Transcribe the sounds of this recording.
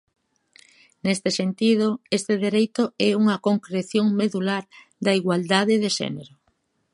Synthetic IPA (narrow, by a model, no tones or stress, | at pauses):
nest̪esent̪ið̞oest̪eðeɾejt̪oɛuŋɐkoŋkɾeθjoŋmeðulaɾ | d̪ɐiɣwald̪aðeðeʃɛ̰neɾo